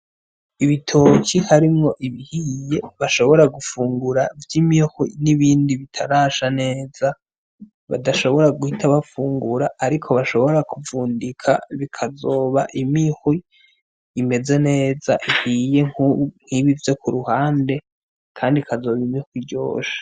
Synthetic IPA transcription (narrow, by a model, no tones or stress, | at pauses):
iβitʰocihaɾimŋo̞ʔiβihijeβaʃo̞βo̞ɾaɡufuːŋɡuɾavjimixwḭniβiːndiβitʰaɾaʃane̞ːza | βa̰daʃo̞βo̞ɾaɡuhitʰaβafuːŋɡuɾaʔːɾikʰo̞βaʃo̞βo̞ɾakʰuvuːndikʰa̰βikʰazoːβa̰ʔimixwiː | me̞ze̞ne̞ːza̰ʔihije̞ŋuŋ̥hiβivjo̞kʰuɾuhaːnde̞ | kʰaːndikʰazo̞ːβimixwiɟo̞̰ːʃe̥